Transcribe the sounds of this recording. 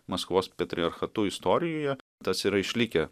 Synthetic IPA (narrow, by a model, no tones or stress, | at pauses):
mɐskʋoːspʲɛt̪ʲɾʲɪɐɾxɐt̪ʊɪst̪ɔːɾʲɪjoːjɛ | t̪ɐsiɾɐɪʃʲlʲɪkʲɛ